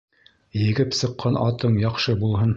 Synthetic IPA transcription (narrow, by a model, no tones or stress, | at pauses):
jɘ̆ɡɘpsɤ̆qːɑnɑt̪ɤɴjɑqʃɤbulˠɦɤn